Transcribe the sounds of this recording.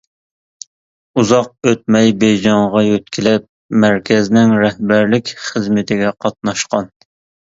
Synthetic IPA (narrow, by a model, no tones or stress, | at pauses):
uzɑq̚øt̪̚mɛjbejd͡ʒɑɴʁɑjøt̪kʲʰɪlɛp̚ | mæɾkʲʰɛznɪŋɾɛhbæɾlɪkʲχəzmɪt̪ʰɪɡʲɛqʰɑt̪̚nɑʃqɑn